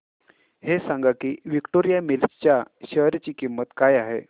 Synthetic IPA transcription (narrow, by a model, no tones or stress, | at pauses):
hesãŋɡakiːʋikʈoɾijamilst͡ɕjaɕəɦɾt͡ɕiːkimːət̪kajaɦe